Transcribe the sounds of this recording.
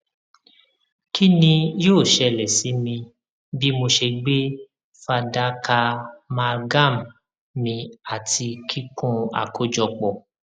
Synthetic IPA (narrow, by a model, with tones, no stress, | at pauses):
kʰi˦nĩ˧joː˦˨ʃɛ˧lɛ˨si˨˦mĩ˧ | bi˦mo˧ʃe˧ɡ͡be˦ | fa˧da˦ka˧mã˧ɡa˦˨m˨ | mĩ˧a˨tʰi˧kʰi˦kũ˦a̰˨kʰo˦d͡ʒɔ˧k͡pɔ˨